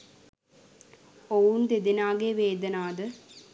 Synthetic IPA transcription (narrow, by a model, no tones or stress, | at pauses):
owund̪ed̪inaːɡeːʋeːd̪ɐnaːd̪ə